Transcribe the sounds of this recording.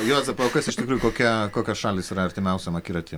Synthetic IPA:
joːzɛpoːkɐsɪʃʲt̪ʲɪkɾuːjʊkoːkʲɛkoːkʲoːsʃɑːlʲɪsiːɾɐɐɾʲt̪ʲɪmʲɛʊsʲɛmɐkʲiːɾɐt̪ʲi

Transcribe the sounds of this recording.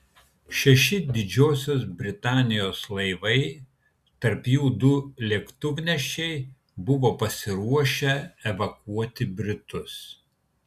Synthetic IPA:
ʃʲɛʃʲɪd̪ʲɪd͡ʒʲoːsʲoːsbʲɾʲɪt̪ɑːnʲɪjoːslˠɐɪʋɐɪ | t̪ɐɾpjuːd̪ʊlʲɛkt̪ʊʋʲnʲɛʃʲt͡ʃʲɛɪ | bʊʋoːpɐsʲɪɾuɔʃʲɛɛʋɐkuɔt̪ʲɪbʲɾʲɪt̪ʊs

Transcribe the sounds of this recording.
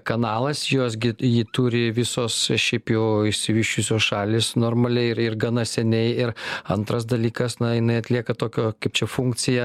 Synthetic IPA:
kɐnɑːlˠɐsjoːs̬ɡʲɪjɪt̪uːɾʲɪʋʲɪsoːsʃʲɛɪpjɛʊɪʃʲsʲɪʋʲɪːʃt͡ʃʲʊsʲoːsʃɑːlʲɪːsnoːrmɐlʲɛɪɪɾɪrɡɐnɐsʲɛnʲɛɪɪɾɐnt̪ɾɐs̬d̪ɐlʲiːkɐsnɐjɪnɐɪɐt̪ʲlʲiɛkɐt̪oːkʲoːkɐɪp̚t͡ʃʲɛfuŋk̪t͡s̪ʲɪjɛ

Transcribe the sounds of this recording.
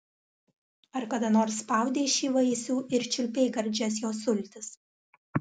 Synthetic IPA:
ɐɾkɐd̪ɐnoːɾsːpɐˑʊd̪ʲeːʃʲiːʋɐɪsʲuːʔɪɾt͡ʃʲʊlʲpʲɛɪɡɐɾʲd͡ʒʲɛsjoːsʊlʲt̪ʲɪs

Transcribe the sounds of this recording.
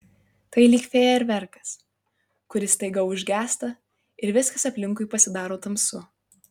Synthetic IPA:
t̪ɐɪlʲiːkʲfʲeːjɛɪɾʋʲɛɾkɐ̥s | kʊɾʲɪst̪ɐɪɡɐʊʒʲɡʲæːst̪ɐ | ɪɾʋʲɪskɐsɐpʲlʲɪŋˑkʊɪpɐsʲɪd̪ɑːɾoːt̪ɐmsʊ

